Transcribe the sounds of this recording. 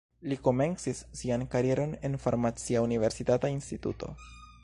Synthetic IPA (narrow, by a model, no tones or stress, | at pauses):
liko̞me̞nt͡sisːiankaɾie̞ɾo̞ne̞nfa̰ɾmat͡siaunive̞ɾsitatainstitṵto̞̰